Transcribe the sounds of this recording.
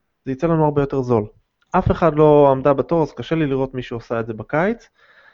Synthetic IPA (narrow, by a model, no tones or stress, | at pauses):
zeit͡se̞lanuaʁbejo̞te̞ʁzo̞l | ʔafe̞χadlo̞amdabato̞ʁazkaʃe̞liliʁo̞t̪miʃuosaetze̞bakajt͡s